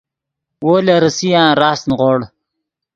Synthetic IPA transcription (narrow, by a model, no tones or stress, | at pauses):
woːleɾəsijãːɾaːsnʁoɽ